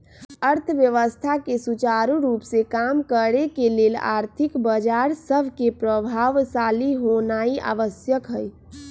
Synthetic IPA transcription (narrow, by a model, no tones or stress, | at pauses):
əɾt̪ʰəʋjəʋəst̪ʰakesut͡ʃaːɾuɾuːpsekamkəɾekeleːla̰ːɾt̪ʰɪkbəd͡ʒaɾsəbʱkepɾəbʱaːʋsaːliɦonaːia̰ːʋəsjəkɦəj